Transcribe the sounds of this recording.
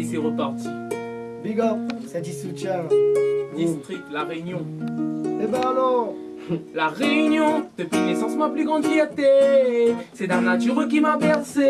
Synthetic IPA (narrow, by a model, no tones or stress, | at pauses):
isiʁəpɔʁt̪ | biɡɔsɛd̪isut̪jɛ̃ | d̪ist̪χik̚t̪laʁeynjɔ̃ | ebɛ̃alɔʁ | laʁeynjɔ̃d̪̥əpinesɑ̃sd̪maplyɡʁɑ̃d̪pet̪e | sɛd̪anat̪yʁək̬ʲimapɛʁse